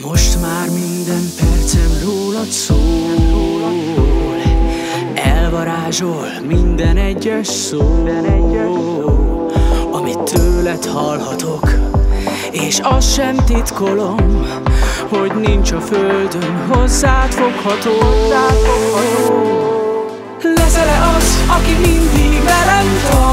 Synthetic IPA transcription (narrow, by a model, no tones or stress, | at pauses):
mo̞ʃt̪maːrmind̪ɛmpɛrt̪sɛnroːlɒt̪soːnroːlɒt̪sol | ɛlvɒɾaːʒolmind̪ɛnɛɟːɛʃsoːbɛnɛː | oː | ɒmit̪ʰːøːlɛt̪hɒlhɒt̪o̞k | eːʃɒsʃɛmt̪it̪ko̞lo̞m | ho̞ɟnint͡ʃɒføld̪ønɦo̞zːaːt̪fo̞khɒt̪oːzːaːt̪fokhɒt̪om | lɛzɛlɛʔɒzɒkimind̪iɡmɛɾɛmt̪